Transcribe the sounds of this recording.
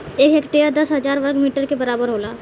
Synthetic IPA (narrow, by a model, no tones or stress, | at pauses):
eːkɦekʈead̪ɐsɦɐzaːɾʋəɾɡmiːʈəɾkebɐɾaːbəɾɦoːlaː